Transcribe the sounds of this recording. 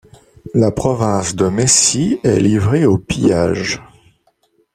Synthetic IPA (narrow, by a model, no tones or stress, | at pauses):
lapχɔvɛ̃sd̪əmesiɛ̰livʁeopija̰ːʒ